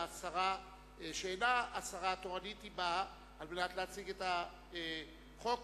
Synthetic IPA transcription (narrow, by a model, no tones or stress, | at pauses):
asaʁa | ʃeenaːsaʁat̪oʁanitiba | almenat̪leat͡siɡeta | χo̞k